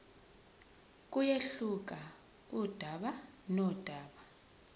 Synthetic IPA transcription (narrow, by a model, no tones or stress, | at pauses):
k̬ʼujeɬuk̬ʼa | ud̥ʱaɓanɔd̥ʱaːɓa